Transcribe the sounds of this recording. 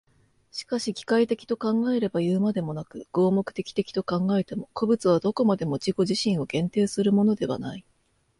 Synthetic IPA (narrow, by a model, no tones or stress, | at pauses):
ɕi̥kaɕiɡʲi̥kait̪e̞kʲi̥t̪o̞kãŋɡae̞ɾe̞bajɯːmad̪e̞mo̞nakɯ̟ɡ̥o̞ːmo̞kɯ̟̥t̪e̞kʲi̥t̪e̞kʲi̥t̪o̞kãŋɡae̞t̪e̞mo̞ko̞bɯ̟t͡sɨβ̞ad̪o̞ko̞mad̪e̞mo̞d͡ʑiɡo̞ʑiɕĩɰ̃o̞ɡẽ̞nt̪e̞ːsɨɾɯ̟mo̞no̞d̪e̞β̞a̰nai